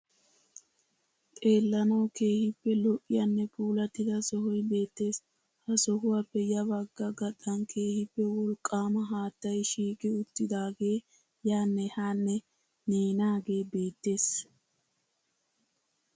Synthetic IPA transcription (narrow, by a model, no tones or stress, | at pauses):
t̪ʼe̞ːlːɐnɐwke̞ːhɪpːɛlɔʔːɪjɐnːɛpʰuːlɐt̪ːɪd̪ɐsɔhɔjbe̞ːt̪ːe̞ːs | hɐsɔɦʊwapːɛjɐβɐɡːɐɡɐɗɐnkʰe̞ːhɪpːɛwɔlkʼːaːmɐɦaːt̪ːɐjʃiːkʼɪʊt̪ːɪd̪aːɡe̞ː | jaːnːɛhaːnːɛ | neːnaːɡe̞ːbe̞ːt̪ːe̞ːs